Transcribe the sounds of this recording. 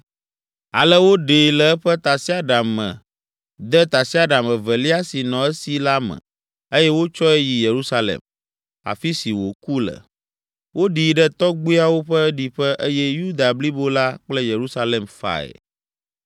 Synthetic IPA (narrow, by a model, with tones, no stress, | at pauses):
a̰˨lɛ˦wo˦ɖe˨lɛ˨ɛ˦ɸɛ˦t̪a˨si˦a˦ɖa˨mmɛ̰̃˨ | d̪ɛ˦t̪a˨si˦a˨ɖa˨mə̃˨vɛ˨li˦a˦si˨nɔ̃˨ɛ˦si˨la˦mə̰̃˨ | e˦jɛ˦wo˦t͡ʃɔ˦ɛ˦ji˨je˨ɾu˦sa˦lḛ˨m | a̰˨fi˦si˨wo̰˨ku˦lə̰˨ | wo˦ɖi˨ɖɛ˦t̪ɔ˦ɡ͡bi˦a˦wo˦ɸɛ˦ɖi˨ɸɛ˦ʔe˦jɛ˦ju˦d̪a˨bli˦bo˦la˦k͡plɛ˦je˨ɾu˦sa˦lɛ˨mfa̰˨ɛ̰˨